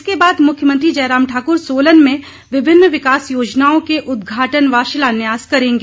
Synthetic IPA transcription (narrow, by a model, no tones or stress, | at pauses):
ɪskebaːd̪mʊkʰjəmə̃nt̪ɾid͡ʒɐːɾaːmʈʰaːkʊɾsoːlənmẽ | ʋɪbʱɪnːʋɪkaːsjoːd͡ʒnaːõkeʔʊd̪ɡʱaːʈənʋaːʃɪlaːnjaːskɐɾẽːŋɡeː